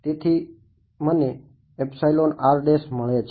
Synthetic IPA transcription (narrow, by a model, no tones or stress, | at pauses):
t̪et̪ʰi | məneː | psajlonaɾɖesməɭet͡ʃʰ